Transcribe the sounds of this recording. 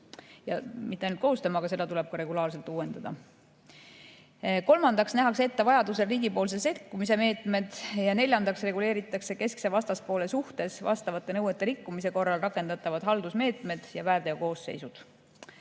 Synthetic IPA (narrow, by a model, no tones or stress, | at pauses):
jɑ̰mit̪ːˑeɑjnult̪̚ko̞host̪ɑmɑɡɑse̞d̪̥ɑt̪ule̞b̥̚kɑɾe̞ɡulɑːrs̬e̞lt̪ˑuːwe̞nd̪̥ɑd̪̥ɑ̰ | ko̞lmɑnd̪̥ɑksnæɦɑkse̞t̪ːevɑjɑd̪use̞riːɡipo̞ːls̬e̞se̞t̪kːˑumis̬e̞me̞ːt̪ˑme̞d̪̥jɑne̞lʲjɑnd̪ɑksre̞ɡule̞ːɾit̪ːˑɑkse̞ke̞sksevɑst̪ɑspo̞ːle̞suht̪e̞svɑ̰st̪ɑvɑt̪ːˑe̞nɤwet̪ˑːeɾikːumise̞ko̞rːɑlrɑkːˑe̞nd̪̥ɑt̪ːˑɑvɑd̪̥ɦɑld̪usme̞ːt̪ˑme̞d̪̥jɑvæːrd̪̥eoko̞ːsːe̞̰jsud̪̥